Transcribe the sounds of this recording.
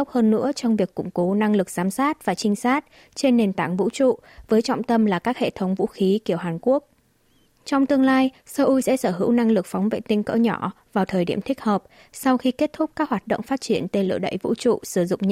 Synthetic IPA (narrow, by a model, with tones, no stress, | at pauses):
wk͡p̚həː˧nːɨ̰˧˥ət͡ɕɔ˧wŋ͡mvi˨˩əkːʊ̰˧˩ŋ͡mko˨˦na˧ŋlɨ˨˩k̚z̥aː˨˦msaː˦˥t̚vaː˨˩t͡ɕï˧ŋ̟saː˦˥t̚ | t͡ɕe˧nːe˨˩nt̪a̰ː˧˩˨ŋvṵ˧˥t͡ɕṵ˧˨ | vəː˨˦jt͡ɕɔ̰˧˨wŋ͡mt̪ə˧mlaː˨˩kaː˦˥k̚hḛ˧˨t̪ʰə˨˦wŋ͡mvṵ˧˥xi˨˦ki˧˩əwɦaː˨˩nku˦˥ək̚ | t͡ɕɔ˧wŋ͡mt̪ɨ˧əŋlaː˧jsəː˧ʔu˧jsɛ̰˧˥səː˧˩ɦɨ̰˧˥wna˧ŋlɨ˨˩k̚fɔ˨˦wŋ͡mvḛ˧˨t̪ï˧ŋkə̰ː˧˥ɲɔ˧˩ | vaː˨˩wt̪ʰəː˨˩jɗi˧˩əmt̪ʰï˥k̟̚həː˨˩p̚ | sa˧wxi˧ke˦˥t̚t̪ʰʊ˦˥k͡p̚kaː˦˥k̚hwaː˨˩t̚ɗo̰˧˨ŋ͡mfaː˦˥t̚t͡ɕi˧˩ənt̪e˧nlɨ̰˧˨əɗə̰˧˨jvṵ˧˥t͡ɕṵ˧˨sɨ˧˩zʊ̰˧˨ŋ͡mɲ